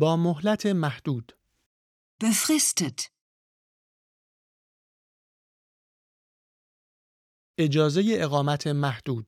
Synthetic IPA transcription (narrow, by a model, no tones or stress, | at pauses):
bɒːmoɦlæt̪ʰe̞mæhd̪̥uːd̪̥ | b̥efɾest̪et̪ | ʔe̞d͡ʒɒːze̞je̞ʔeɣɒːmæt̪ʰe̞mæhd̪̥uːd̪̥̚